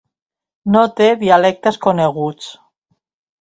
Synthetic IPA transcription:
not̪eðialɛk̚t̪eskoneɣ̞ut͡s

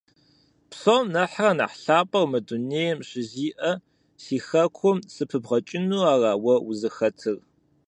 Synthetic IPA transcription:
psomnɐħrɐna̰ːħɬaːpʼɐrmɨduneːjɛmɕɪziːʔɐ | siːxɐkʷʰʊmsɨpʰɨbʁɐt͡ʃʼɪnuːaːraːwɐwʊzɨxɐtʰɨr

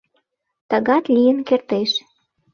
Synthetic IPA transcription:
t̪əɣɑt̪lijənkert̪eʃ

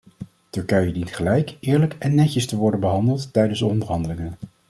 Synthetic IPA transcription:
tɵɹkɛjədintχəlɛjkʔɪːɹləkɛnːɛcəstəʋɔɹdənbəɦɑndəlˠtːɛjdənsdəɔndəɹɦɑndəlɪŋən

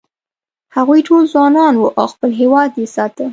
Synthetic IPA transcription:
haɣujʈolzwɑnɑnwuʔa̰wxpəlɦewɑd̪jesɑt̪ə

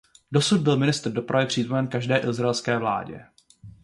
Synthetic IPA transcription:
do̞sud̚bɪlmɪnɪst̪rdo̞pɾavɪpr̥iːt̪omɛnkaʒdɛːʔɪzɾaɛlskɛːvla̰ːɟɛ̰

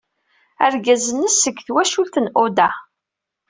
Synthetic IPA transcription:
æɾɡæzənːəsəɡːθwæʃulθənʔʊd̪æ

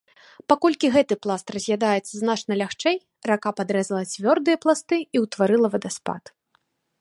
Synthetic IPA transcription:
pakɔlʲkʲiɣɛt̪ɨplˠast̪rɐzʲjad̪ajɛt̪sːɐznat͡ʂnɐlʲaxt͡ʂɛj | rakapad̪ɾɛzɐlˠɐt͡sʲvʲɔrd̪ɨjɐplˠast̪ɨiwt̪vaɾɨlˠɐvɐd̪ɐspa̰t̪

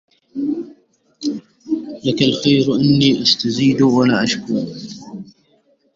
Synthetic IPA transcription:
lakalxajɾʔɪnːiːʔast̪aziːd̪walaːʔaʃkʊɾ

